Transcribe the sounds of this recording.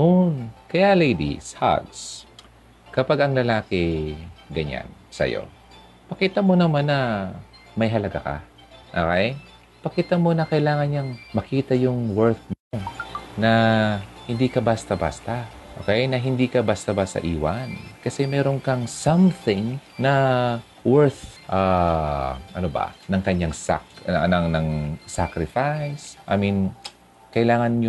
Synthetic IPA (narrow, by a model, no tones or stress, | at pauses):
nonkɐjalejd̪ḭsha̰d̪s | kɐpaɡɐŋlɐlaːkɪɡɐ̰ɲa̰nsɐ̰jo̰ | pɐkiːt̪ɐmo̞nɐmanːɐ | mɐjɦɐlɐɡa̰kɐ̰ | ʔo̰kɛj | pɐkiːt̪ɐmo̞nɐkɐʔɪlaːŋɐnɲɐŋmɐkiːt̪ɐjʊŋwɛɾt̪̚nonɐ | hɪnd̪ikɐbaːst̪ɐba̰ːst̪ɐ | ʔo̰ːkɛjnɐɦɪnd̪iːkɐbast̪ɐbaːsɐ̰ʔiːwankɐsɛmɛːɾo̞nkɐŋsɐmθɪŋnɐ | wɛɹθʔa | ʔɐ̰nobɐ̰nɐŋkɐɲaŋsa̰knɐŋnɐŋsakɾɪfajsʔa̰ːmin | kɐʔɪlaːŋɐnj